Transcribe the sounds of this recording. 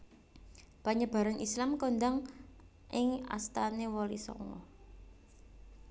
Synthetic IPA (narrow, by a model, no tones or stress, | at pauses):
b̥aɲəb̥a̤ɾanʔislamkond̪aŋ | ʔɪŋa̰st̪anewɔlisɔ̰ŋɔ̰